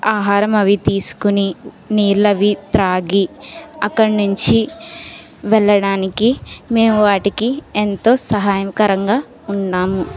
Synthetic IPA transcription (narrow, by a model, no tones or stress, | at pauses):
aːɦaːɾɐmɐʋit̪iːsu̥kuni | niːɾlɐʋit̪ɾaːɡiɐkːɐɽnuɲt͡ʃi | ʋɛɭːɐɽaːnikime̞ːmuʋaːʈikient̪o̞ːsɐɦaːjɐmkɐɾɐŋɡaː | unːaːmu